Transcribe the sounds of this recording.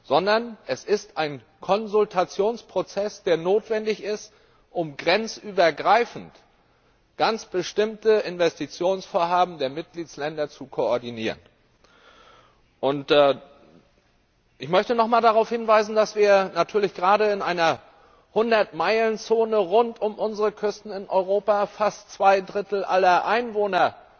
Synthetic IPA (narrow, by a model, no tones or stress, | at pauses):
z̥ɔndɐnʔɛsɪstʔaɪn | kʰɔnzʊltʰat͡sjoːnspʁ̥ot͡sɛsd̥eːɐnoːtv̥ɛndɪçɪst | ʔʊmɡʁɛnt͡sʔyːbɐɡʁaɪfn̩t | ɡ̥ant͡sb̥əʃtɪmtəʔɪnvɛstit͡sjoːnsfoːɐɦaːbm̩deːɐmɪt̚ɡ̥liːtslɛndɐt͡sukʰoɔɐdiniːʁən | ʔʊntː | ʔɪçmœçtənɔχmaːldaʁaʊfhɪnvaɪzn̩dasv̥iːɐnatʰyːɐlɪçɡ̥ʁaːɾəɪnʔaɪnɐ | hʊndɐtmaɪlənt͡soːnəʁʊntʊmʔʊnzəʁəkʰʏstn̩ɪnʔɔ̰ʏʁoːpafastt͡sv̥aɪdʁɪtl̩ʔalɐʔaɪnvoːnɐ